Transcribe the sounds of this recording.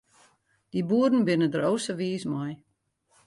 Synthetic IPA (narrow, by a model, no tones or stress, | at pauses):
d̥ibuədn̩bɪnədəɾowsəʋiːsmɔj